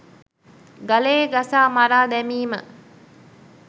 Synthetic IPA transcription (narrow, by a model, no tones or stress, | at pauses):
ɡaleːɡasaːmaɾaːd̪ɛmiːmə̰